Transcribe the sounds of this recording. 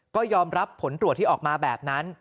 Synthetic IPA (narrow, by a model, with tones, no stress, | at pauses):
kɔː˥˩jɔː˧mɾa˦˥pʰːo˩˦nt̪ɾu˨˩t̪ʰːiː˥˩ʔɔː˨˩k̚maː˧bɛː˨˩p̚na˦˥n